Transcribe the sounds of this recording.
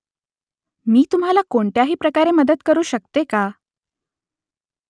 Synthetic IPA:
miːt̪um̤ɦalakoɳʈ̪jaɦiːpɾəkaɾeməd̪ət̪kəɾuːɕək̚t̪eka

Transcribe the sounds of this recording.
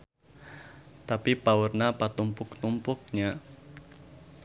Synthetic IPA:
t̪apipaurnapat̪umpʊkt̪umpʊk̚ɲa

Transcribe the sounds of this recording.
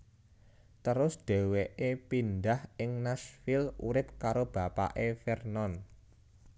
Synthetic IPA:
t̪əɾʊsd̥e̤weʔepind̪ahɪŋnasfɪluɾɪp̚kaɾob̥a̤pa̰ʔefɛrnɔn

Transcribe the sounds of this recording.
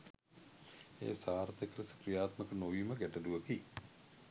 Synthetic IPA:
ḛːsaːɾt̪ekəɾəsə̥kɾijaːt̪məkənoʋiːməɡæʈəduʋəki

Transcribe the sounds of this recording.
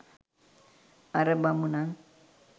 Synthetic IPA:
aɾəbamuna

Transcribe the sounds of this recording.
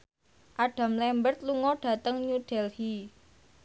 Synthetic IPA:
ʔaɖ̥ä̤mlɛmbərt̪̚luŋɔɖ̥a̤t̪əŋɲuɖ̥ɛlhi

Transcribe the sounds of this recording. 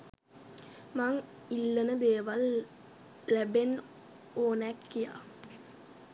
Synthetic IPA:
maŋ | ilːənəd̪eːʋal | læben | oːnɛkːija̰ː

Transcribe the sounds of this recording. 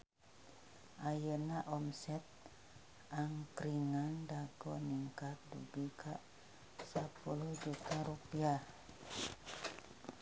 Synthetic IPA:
ʔajənaʔɔmsɛt̪̚ | aŋkɾiŋandaɡɔniŋkat̪̚dṵbikʰaʔ | sapulud͡ʒukaɾupiah

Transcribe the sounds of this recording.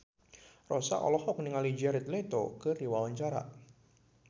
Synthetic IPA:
rɔsa̰ʔɔ̰lɔhɔk̚niŋalid͡ʒaɾɛt̪let̪o̰kɨriwawaɲt͡ʃaɾa̰

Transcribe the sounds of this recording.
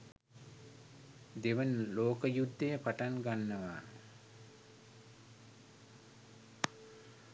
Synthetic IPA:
d̪eʋənloːkəjud̪ːejəpaʈanɡanːəʋaː

